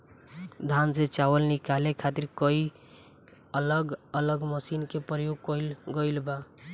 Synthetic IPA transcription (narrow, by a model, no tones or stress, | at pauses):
d̪ʱanset͡ʃawəlnikalekʰat̪iɾkəi | ələɡələɡməsinkepɾəjoɡ̚kɔilɡəjlba